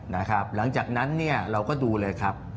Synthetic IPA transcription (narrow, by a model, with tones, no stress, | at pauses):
na˦˥kʰɾa˦˥p̚la˩˦ŋt͡ɕaː˨˩k̚na˦˥nːi˥˩ɐɾa˧wkɔː˥˩duː˧lɤː˧jkʰɾa˦˥p̚